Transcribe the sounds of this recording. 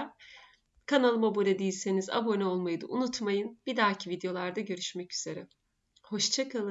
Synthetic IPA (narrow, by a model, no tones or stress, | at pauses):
kʰanalˠɯmabuɾʲɛd̪ijilʲse̞niza̰bo̞nɛo̞lˠmajɯd̪ɯ̰ʔunut̪majɯnb̥id̪aːcʰivid̪jo̞lˠaɾd̪aɟø̞ɾyʃmɛcyz̥e̞ɾɛ | ho̞ʃt͡ʃʰakʰalˠ